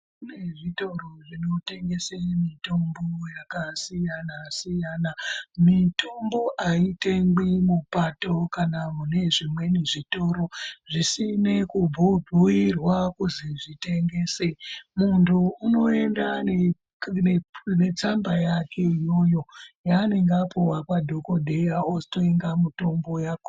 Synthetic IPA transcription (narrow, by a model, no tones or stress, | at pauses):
uneʐito̞roʐino̞te̞ŋɡe̞semitombojakasijanasijanamitʰombo̞ʔaite̞ŋɡimupato̞kanamune̞ʐimwe̞niʐito̞ɾo̞ʐisine̞kubʱubʱuirwakuziʐite̞ŋɡe̞ːsemuntʰuːno̞e̞ndane | ene̞t͡sambajakʰe̞ijo̞jo̞jane̞ŋɡapuwakwadʱo̞ko̞dʱe̞jaosi̥toeŋɡamuto̞mbo̞jaku